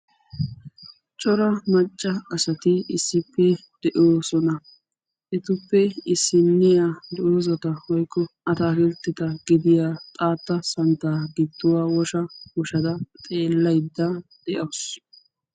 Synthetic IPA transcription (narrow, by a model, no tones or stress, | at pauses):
t͡ʃʼɔɾɐmɐt͡ʃʼːɐɐsɐt̪ɪɪsːɪpːɛd̪̥ɛʔoːsɔnɐ | ʔɛt̪ʊpːɛɪsːɪnːɪjaːd̪ɛʔoːzɐt̪ɐhɔjkːɔɐt̪aːkɪlt̪ːɪt̪ɐɡɪd̪ɪjaːt̪ʼaːt̪ːɐsɐnt̪ːaːɡɪd̪ːʊwaːwɔʃɐwɔʃɐd̪ɐt̪ʼe̞ːlːɐjd̪ːɐd̪̥ɛʔɐws